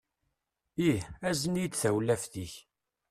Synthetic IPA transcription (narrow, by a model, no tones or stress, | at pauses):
iæzənid̪θæwlæfθiç